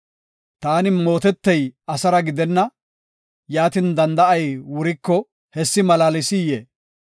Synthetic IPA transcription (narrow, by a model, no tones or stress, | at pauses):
t̪aːnɪmo̞ːt̪ɛt̪ːɛjɐsɐɾɐɡɪd̪ɛnːɐ | jaːt̪ɪnd̪ɐnd̪ɐɐjwʊɾɪkːɔ | hɛsːɪmɐlaːlɪsɪjeː